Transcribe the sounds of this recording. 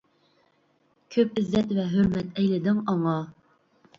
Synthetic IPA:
kʲʰøpɪzːɛt̪vɛɦøɾmɛt̪ʰɛjlɪd̪ɪŋɑŋɑ

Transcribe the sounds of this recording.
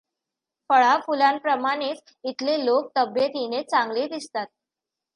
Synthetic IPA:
fəɭafulampɾəmaɽ̃et͡s | it̪lelok̚t̪əbjət̪inet͡saŋɡled̪ist̪at̪̚

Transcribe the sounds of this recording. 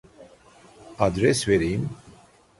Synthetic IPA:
ad̪ɾɛswɛɾim

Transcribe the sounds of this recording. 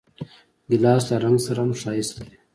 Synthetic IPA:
ɡilɑːsd̪aɾɐŋɡsɐɾamʂaːist̪e

